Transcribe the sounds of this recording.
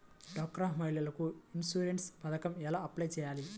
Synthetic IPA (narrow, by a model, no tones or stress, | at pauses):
ɖɔːk̚ːɾaːɦmɐɦilɐlɐkuinsuːɾeɳʈspɐd̪ɐkɐmɛlaːɐplɐjt͡ʃɛːjaːli